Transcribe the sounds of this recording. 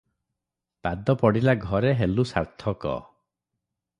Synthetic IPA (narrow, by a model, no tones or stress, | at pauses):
pad̪ɔpɔɽilaɡʱɔɾeɦelusa̰ɾt̪ʰɔkɔ̰